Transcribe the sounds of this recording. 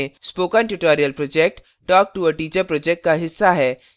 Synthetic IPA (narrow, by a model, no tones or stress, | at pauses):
spoːkənʈuʈɔːɾijəlpɾɔːd͡ʒɛk̚ʈ | ʈɔːk̚ʈuəʈiːd͡ʒəɾpɾɔːd͡ʒɛk̚ʈ̚kaɦɪsːaɦɛː